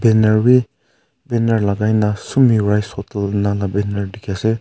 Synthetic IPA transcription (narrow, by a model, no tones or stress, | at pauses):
beneɾwi | beneɾlaɡajnasumiɾajsɔtalnalabenaɾdikʰiase